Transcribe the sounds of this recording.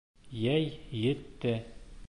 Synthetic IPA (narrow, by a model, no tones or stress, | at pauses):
jæjjɘ̆t̪ːɘ